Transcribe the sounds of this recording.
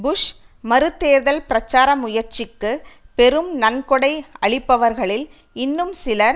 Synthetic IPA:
bʊʂ | mɐɾɯt̪ːeːɾðɐlpɪɾɐt͡ʃːaːɾɐmʊjɐɾt͡ʃɪkːɯpɛɾɯmnɐnkɔɽɐɪɐɭɪpːɐʋɐɾɣɐɭɪl | ɪnːɯmsɪlɐɾ

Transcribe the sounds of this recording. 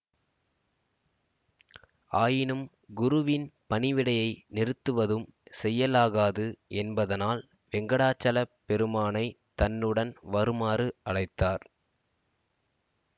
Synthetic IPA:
aːjɪnɯm | ɡʊɾʊʋɪnpɐnɪʋɪɽɐjɐɪnɪɾɯt̪ːɯʋɐðɯmsɛjːɐlaːɣaːðɯʔɛnbɐðɐnaːl | ʋɛŋɡɐɽaːt͡ʃːɐlɐpːɛɾɯmaːnɐɪ | t̪ɐnːɯɽɐnʋɐɾɯmaːɾɯɐɭɐɪt̪ːaːɾ

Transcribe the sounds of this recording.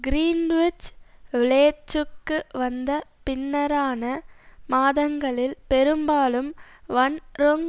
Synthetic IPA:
ɡɾiːnʋɪt͡ʃʋɪleːt͡ʃːɯkːɯʋɐnd̪ɐpɪnːɐɾaːnɐmaːðɐŋɡɐɭɪlpɛɾɯmbaːlɯmʋɐnɾoŋ

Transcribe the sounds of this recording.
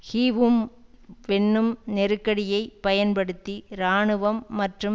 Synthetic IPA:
hiːʋɯmʋɛɳːɯmnɛɾɯkːɐɽɪjɐɪpɐjɐnpɐɽɯt̪ːiɾaːɳɯʋɐmːɐʈrɯm

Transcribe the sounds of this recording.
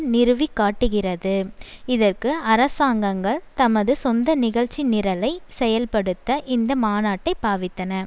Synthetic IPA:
nɪɾɯʋikːaːʈːɯɣɪrɐðɯɪðɐrkɯɐɾɐsaːŋɡɐŋɡɐɭt̪ɐmɐðɯsɔnd̪ɐnɪɣɐɻt͡ʃːinɪɾɐlɐɪsɛjɐlpɐɽɯt̪ːɐʔɪnd̪ɐmaːnaːʈːɐɪpːaːʋɪt̪ːɐnɐ

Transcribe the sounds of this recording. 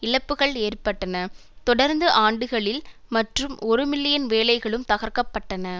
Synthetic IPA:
ɪɻɐpːɯɣɐɭeːrpɐʈːɐnɐt̪ɔɽɐɾnd̪ɯʔaːɳɖɯɣɐɭɪlmɐʈrɯmʔɔɾɯmɪlːɪjɐnʋeːlɐɪɣɐɭɯmt̪ɐɣɐɾkɐpːɐʈːɐnɐ

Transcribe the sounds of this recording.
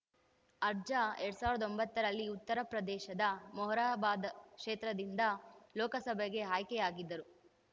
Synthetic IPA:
ɐɾd͡ʒaeɾɽusaːʋɾɐd̪o̞mbɐt̪ːɐɾɐlːiut̪ːɐɾɐpɾɐd̪ɛːʃɐd̪ɐmɔɦɾaːbaːd̪ɐkʂeːt̪ɾɐd̪ind̪ɐlɔːkɐsɐbʱɛɡe̞ɦaːjkɛjaːɡid̪ːɐɾu

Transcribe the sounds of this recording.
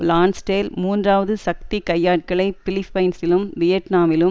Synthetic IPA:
laːnsʈeːlmuːndraːʋɐðɯsɐk̚t̪ikɐjːaːʈ̚kɐɭɐɪpɪlɪfːɐɪnsɪlɯmʋɪjɐʈnaːmɪlɯ

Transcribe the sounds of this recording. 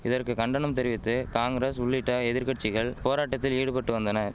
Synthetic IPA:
ɪðɐrkɯkɐɳɖɐnɐmt̪ɛɾɪʋɪt̪ːɯkaːŋɡɾeːsʊɭːɪʈːɐɛðɪɾkɐʈ̚t͡ʃːɪɣɐɭpoːɾaːʈːɐt̪ːɪliːɽɯpɐʈːɯʋɐnd̪ɐnɐ

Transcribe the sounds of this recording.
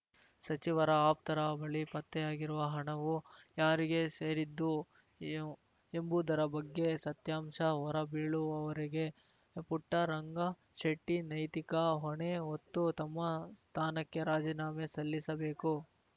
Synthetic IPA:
sɐt͡ʃiʋɐɾɐaːp̚t̪ɐɾɐbɐɭipɐt̪ːɛjaːɡiɾuʋɐɦɐɳɐʋujaːɾiɡe̞seːɾid̪ːu | embud̪ɐɾɐbɐɡːe̞sɐt̪jaːmʂɐɦɔɾɐbiːɭuɐʋɐɾiɡe̞ | puʈːɐɾɐŋɡɐ | ʃeʈːinɐjt̪ikɐɦɔɳeɦot̪ːut̪ɐmːɐst̪ʰaːnɐkːe̞ɾaːd͡ʒiːnaːmesɐlːisɐbeːku

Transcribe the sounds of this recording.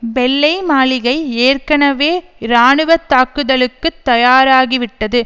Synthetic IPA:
ʋɛlːɐɪmaːɭɪɣɐɪeːrkɐnɐʋeːɾaːɳɯʋɐt̪ːaːkːɯðɐɭɯkːɯt̪ːɐjaːɾaːɣiʋɪʈːɐðɯ

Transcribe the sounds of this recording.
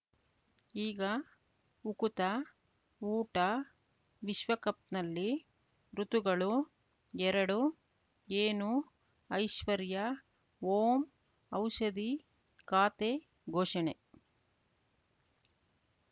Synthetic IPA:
iːɡɐ | ukut̪ɐ | uːʈɐ | ʋiʃʋɐkɐp̚t̪nɐlːi | ɾut̪uɡɐɭu | ɛɾɐɽu | eːnu | ɐjʃʋɐɾjɐ | oːm | ɐwʃɐd̪i | kaːt̪eː | ɡʱoːʃɐɳe

